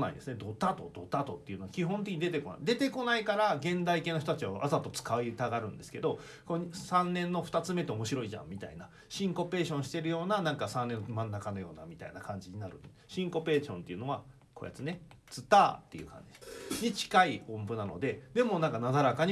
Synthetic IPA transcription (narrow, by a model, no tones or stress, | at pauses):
na̰ḭd̪e̞sɨne̞d̪o̞t̪at̪o̞d̪o̞t̪at̪o̞t̪ːeiɯ̟noakʲiɦont̪̬ekʲiɲ̟id̪et̪eko̞na̰id̪e̞t̪e̞ko̞naikaɾaɡẽ̞nd̪aike̞ːnoç̬ot̪at͡ɕiβaʔasat̪ːo̞t͡sɨ̥kait̪aɡaɾɯ̟̃nd̪e̞sɨ̥ke̞d̪o̞ | koɲsãnːẽ̞nːo̞ɸɯ̥t̪at͡sɨme̞t̪eo̞mo̞ɕiɾo̞iʑã̰mmʲit̪a̰ina | ɕĩŋko̞pe̞ːɕõ̞ɕi̥t̪e̞ɾɯ̟jo̞ːnanãŋkasãnːe̞nːomãnːakano̞jo̞ːnamʲit̪a̰inakãɲ̟d͡ʑiɲ̟inaɾɯ̟̰ | ɕĩŋko̞pe̞ːɕõ̞nt̪e̞iɯ̟no̞βa | koja̰t͡sɨne̞ | t͡sɨt̪a̰ːt̪ːejɯ̟̰ːkã̰ɲ̟d͡ʑid̪̥eɲit͡ɕi̥kaiõmbɯ̟nano̞̰d̪e̞d̪e̞mo̞nãŋkanad̪aɾakaɲ